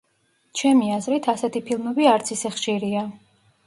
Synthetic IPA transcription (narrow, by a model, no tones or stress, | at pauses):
t͡ʃʰɛmiazɾit̪ʰasɛt̪ʰipʰilˠmɛbiaɾt̪sʰisɛχʃiɾia